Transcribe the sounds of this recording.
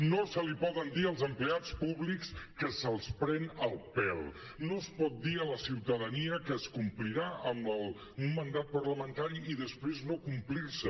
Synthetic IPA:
nosəlipɔðənd̪iəlˠzəmpleat͡spuβlikskəsəlˠspɾɛnəlˠpɛl | nospɔt̪̚d̪iələsiwt̪əðəniəkəskumpliɾaəməlˠ | umːənd̪at̪̚pəɾləmənt̪aɾiiðəspɾeznokumplirsə

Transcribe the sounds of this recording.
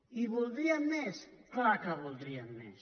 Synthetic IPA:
iβolˠd̪ɾiamːɛsklakaβold̪ɾiamːɛ̰s

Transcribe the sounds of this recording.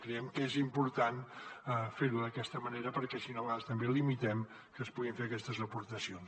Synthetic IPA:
kɾɛɛmkəezimpuɾt̪anəfeɾuðəkɛst̪əməneɾəpəɾkɛsinolaðst̪əmbelimit̪ɛm | kəːspuɣiɱfeəkɛst̪əzəpuɾt̪əsions

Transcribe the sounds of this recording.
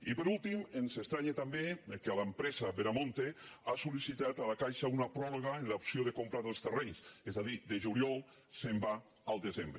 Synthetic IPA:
ipəɾulˠt̪imensest̪ɾaɲet̪ambekealampɾɛzaβeɾamõnt̪easulisit̪at̪alakajʃaunapɾɔɾoɣaenlaupsioðekompɾaɾelˠst̪ereɲsezðaðid̪eʒuljɔl | semba | alˠd̪ezembɾe

